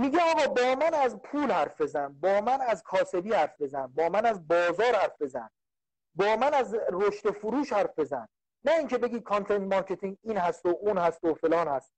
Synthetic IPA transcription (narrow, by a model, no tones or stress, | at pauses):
miːɡɟeɒːɣɒːbɒːmænæzpʰuːlhæɾfbe̞zænbɒːmænæzkʰɒːse̞biːhæɾfbe̞zænbɒːmænæzbɒːzɒːɾhæɾfbe̞zæn | bɒːmænæzɾoʃt̪e̞fuɾuːʃhæɾfbe̞zænː | æiːŋcʰe̞beɡiːkʰɑnt̪ʰent̪̚mɒɾkʰe̞t̪ʰiŋɡiːnhæst̪oʔuːnhæst̪ofe̞lɒːnhæst̪̚